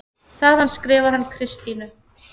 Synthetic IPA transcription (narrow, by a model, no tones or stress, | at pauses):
θaðanskɾɪːvaɾ̥hanːkʰɾɪst̪inʏ